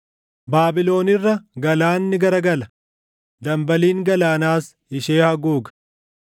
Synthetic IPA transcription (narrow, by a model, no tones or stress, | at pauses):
baːbɪlo̞ːnɪrːɐɡɐlaːnːɪɡɐɾɐɡɐlɐ | d̪ɐmbɐliːŋɡɐlaːnaːs | ɪʃeːhɐɡuːɡɐ̥